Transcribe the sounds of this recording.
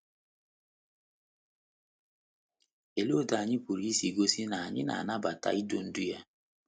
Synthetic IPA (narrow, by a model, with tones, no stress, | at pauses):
e˨lo˦˨ta˨ɲɪ˦pu˨ɾi˦si˨ɡo˦si˦na˨a˨ɲɪ̰˦na̰˨na˦ba˨ta̰˦i˦do˦n̩˦du˦ja˦